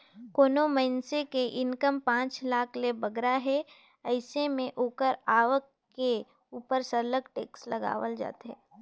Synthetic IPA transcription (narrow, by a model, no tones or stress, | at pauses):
koːnoməɪnsekeʔɪnkəmpãːt͡ʃlaːkʰlebɐɡɾaɦɛ | ɐɪsemẽʔoːkəɾaːʋəkːe | uːpəɾsəɾləɡʈḛːkslɐɡa̰ːʋə̰ld͡ʒa̰ːt̪eɦɛː